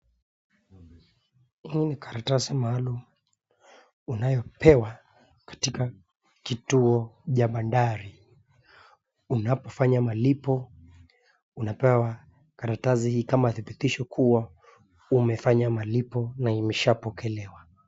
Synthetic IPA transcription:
iinikaɾatasimaalum | unajɔpɛwa | kḁtika | kituɔʄaɓandaɾi | unapɔfaɲamalipɔ | unapɛwwa | kaɾatazihiːkamaθibitiʃɔkʰuwa | umɛfaɲamalipɔnaimɛʃapɔkɛlɛwa

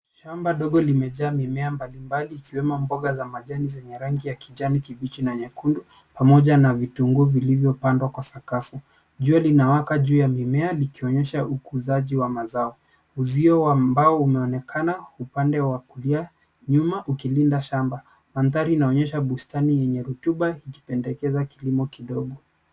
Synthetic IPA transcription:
ʃambaɗɔɠɔlimɛʄaːmimɛambalimbaliːkiwɛmɔmbɔɠazamaʄanizɛɲɛɾaŋɡijakiʄanikivit͡ʃinaɲɛkundu | pamɔʄanavituŋɡuvilivjɔpandwakwasakafu | ʄualinawakaʄuːjamimɛalikiɔɲɛʃaukuzaʄiwamazaɔ | uziɔwambaɔumɛɔnɛkʰanaupandɛwakulia | ɲumaʔukilindaʃamba | manθaɾiːnaɔɲɛʃaɓustanijɛɲɛɾutuɓaiki̥pɛndɛkɛzakilimɔkiɗɔɠɔ

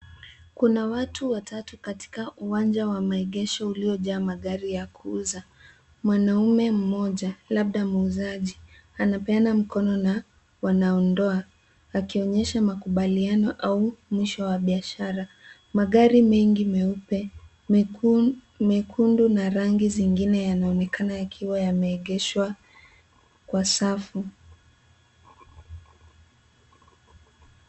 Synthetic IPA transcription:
kunawatʰuwatʰatukati̥kaʔuwand͡ʒawamaɛɠɛʃɔuliɔʄaːmaɠaɾijakʰuuza | mwanaumɛm̩mɔʄalaɓ̚ɗamuuzaʄi | anapɛanam̩kɔnɔna | wanaɔndɔa | akiɔɲɛʃamakuɓalianɔʔaumwiʃɔwaɓiaʃaɾa | maɠaɾimɛŋɡimɛupɛ | mɛkʰundunaɾaŋɡiziŋɡinɛjanaɔnɛkanajakʰiwajamɛːɠɛʃwa | kwasafu

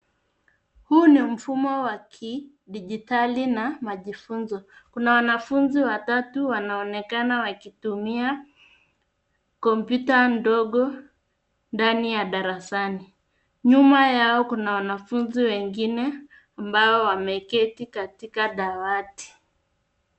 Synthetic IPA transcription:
huːnim̩fumɔwakʰi | ɗiʄitalinamaʄifunzɔkunawanafunziwatatuwanaɔnɛkanawakitumia | kɔmpjutandɔɠɔ | ndanijaɗaɾasani | ɲumajaɔkunawanafunziwɛŋɡinɛ | ambaɔwamɛkɛtikatikaɗawati̥

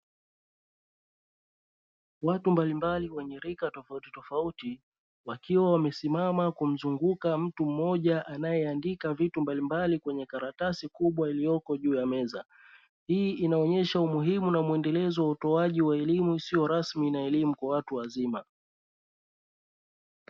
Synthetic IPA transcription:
watumbalimbaliwɛɲɛɾikatɔfautitɔfauti | wakiwawamɛsimamakum̩zuŋɡukam̩tum̩mɔʄaʔanajɛandikavitumbalimbalikwɛɲɛkaɾatasikuɓwailijɔkɔʄuːjamɛza | hiːʔinaɔɲɛʃaumuɦimunamuɛndɛlɛzɔwautɔaʄiwaɛlimuisijɔɾasminaɛlimukwawatuwazima

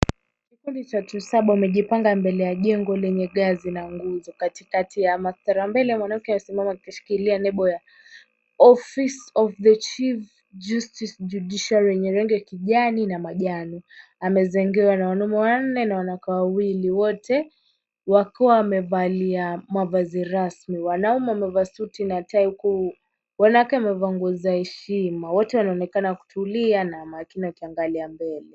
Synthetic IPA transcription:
kikundit͡ʃatusaɓawamɛʄipaŋɡambɛlɛjaʄɛŋɡɔlɛɲɛɠazinaŋɡuzɔkatikatijamaθaɾambɛlɛmwanam̩kɛamɛsimamakikaʃi̥kilianɛɓɔja | ɔfisɔvðət͡ʃif | d͡ʒustisd͡ʒuɗiʃalɛɲɛɾɛŋɡɛakiʄaninamaʄanɔ | amɛzɛŋɡɛwanawanumɛwan̩nɛnawanakawawiliwɔtɛ | wakiwaːmɛvaliamavaziɾasmiwanaumɛamɛvasutinataihuku | wanawakɛamɛvaŋɡɔzahɛʃimawɔtɛwanaɔnɛkanaku̥tʰulianamaːkiniwakiaŋɡaliambɛlɛ

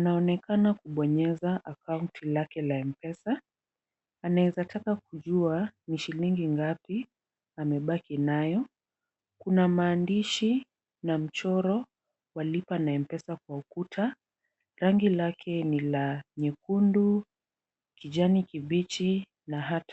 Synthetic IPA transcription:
anaɔnɛkanakuɓɔɲɛzaʔakauntʰilakɛlaɛm̩pɛsaː | naɛzatakak̚uʄuaniʃiliŋɡiŋɡapi | amɛɓakinajɔ | kunamaːndiʃi | nam̩t͡ʃɔɾɔ | walipanaɛm̩pɛsak̚waukutʰa | ɾaŋɡilakʰɛnilaɲɛkundu | kiʄanikiɓit͡ʃi | naɦatḁ

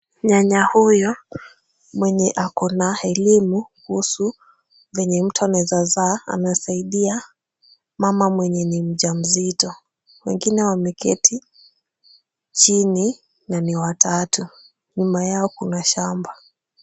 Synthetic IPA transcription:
ɲaɲahujɔ | mwɛɲɛʔakɔnaɛlimukuhusu | vɛɲɛm̩tuanɛzazaa̰nasaiɗia | mamamwɛɲɛnim̩ʄam̩zitɔ | wɛ̰ŋɡinɛwamɛkɛ̰tʰi | t͡ʃini | naniwatʰatu | ɲumajaɔkunaʃamba

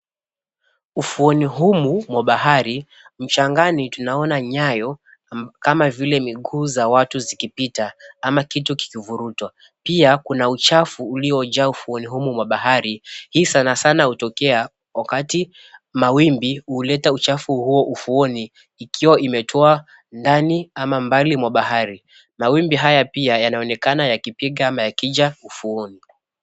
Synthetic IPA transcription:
ufuɔniɦumumwaɓahaɾi | m̩t͡ʃaŋɡanitunaɔnaɲajɔ | kamavilɛmiɠuːzawatuzikipitaamakituki̥kivuɾutwa | piakunaut͡ʃafuːliɔd͡ʒaufuɔniɦumumwaɓaɦaɾihiːsanasanahutɔkɛa | wakati | mawimbiuːlɛtaut͡ʃafuhuɔʔufuɔniː | kʰiwaimɛtʰɔa | ndaniamambalimwaɓaɦaɾi | mawimbiɦajapiajanaɔnɛkanajakipiɠaamajakiʄaufuɔni

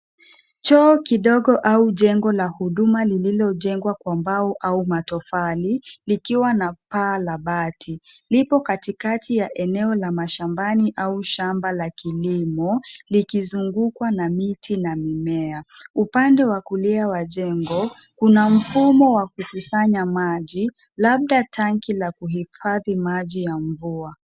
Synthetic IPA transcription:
t͡ʃɔːkiɗɔɠɔʔauʄɛŋɡɔlahuɗumalililɔʄɛŋɡwakwambaɔʔaumatɔfalilikiwanapaːlaɓatʰilipɔkatikatijaʔɛnɛɔlamaʃambaniʔauʃambalakilimɔlikizuŋɡukwanamitʰinamimɛaupandɛwakuliawaʄɛŋɡɔkunam̩fumɔwakukusaɲamaʄi | laɓ̚ɗatʰaŋkilakuhifaðimaʄijaɱvua

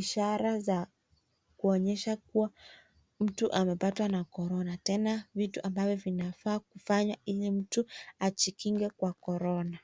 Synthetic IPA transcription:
iʃaɾaza | kuɔɲɛʃakuwa | m̩tuʔamɛpatwanakɔɾɔnatɛnavituʔambavjɔvinafaːkufaɲailim̩tuat͡ʃikiŋɡɛkwakɔɾɔna

